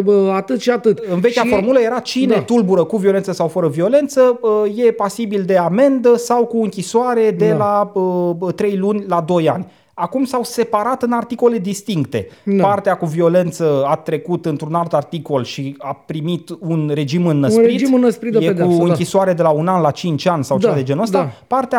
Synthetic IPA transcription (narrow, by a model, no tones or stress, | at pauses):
at̪ɨt̪ʃiat̪ɨt̪ɨnvekʲafo̞rmuləje̞ɾat͡ʃine̞t̪ulbuɾəkuvio̞le̞nt̪səsawfəɾəvio̞le̞nt̪səje̞pasibild̪e̞ame̞nd̪əsawkuɨŋkʲisoaɾe̞d̪e̞laət̪ɾe̞jlunʲlad̪o̞ja̰nʲ | akumsawse̞paɾat̪ɨnart̪iko̞le̞d̪ist̪iŋk̚t̪e̞̰part̪eakuvio̞le̞nt̪səat̪ɾe̞kut̪ɨnt̪ɾunalt̪art̪iko̞lʃiapɾimit̪unɾe̞d͡ʒimɨnːəsɾɾitinːəspɾijekuɨŋŋkʲisoaɾe̞d̪e̞launanlat͡ʃint͡ʃanʲsawt͡ʃevad̪e̞d͡ʒenoəst̪apart̪ea